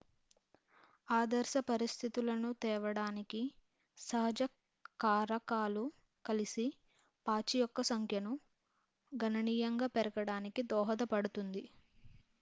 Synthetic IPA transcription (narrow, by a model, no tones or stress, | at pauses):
aːd̪ɐɾʃɐpɐɾist̪ʰit̪ulɐnut̪ɛːʋɐɽaːniki | sɐɦɐd͡ʒɐ | kaːɾɐkaːlu | kɐlisi | paːt͡ʃijɔkːɐsɐŋkʰjɐnu | ɡʱɐnɐniːjɐŋɡaːpɛɾɐɡɐɽaːnikid̪ɔːɦɐd̪ɐpɐɽut̪und̪i